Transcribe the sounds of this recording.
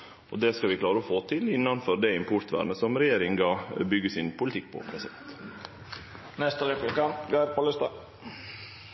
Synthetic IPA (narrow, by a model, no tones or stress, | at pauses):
ʔɔd̪ɛskɑʋɪkʰlɑːɾəɔfoːt̪ʰɪlɪnːɑnfɔɾd̪æɪmpʰʊɾt̪ʋæ̰ːɾnəsɔmɾɛjeːɾɪŋɡɑːbʏɡəsɪnpʰʊlɪt̪ʰɪk̚ːpʰɔ̰pʰɾɛsɪd̪ɛ̰nt̪ | nɛst̪əɾɛpʊkʰɑnt̪ɡɑɪɾpʰolɪst̪ɑ